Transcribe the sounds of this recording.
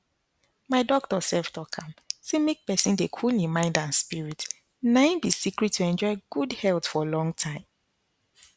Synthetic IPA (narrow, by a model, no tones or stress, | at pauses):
maɪdɔk̚tɔsɛlftʰɔkʰãmsemek̚pɛsĩndekʰulĩmãɪ̃ndãnspiɹit | nãnbisikɹitʰːuɛ̃nd͡ʒɔɪɡ̥udhɛlˠtfɔlɔ̃ŋtʰãɪ̃m